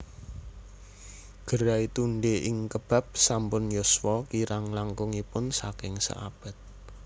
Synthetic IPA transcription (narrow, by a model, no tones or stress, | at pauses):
ɡ̥ə̤ɾait̪uɳɖeɪŋkəb̥a̤p̚sampʊnjoswɔkiɾaŋlaŋkʊŋipʊnsa̰kɪŋsa̰ʔa̰b̥ɛ̤t̪̚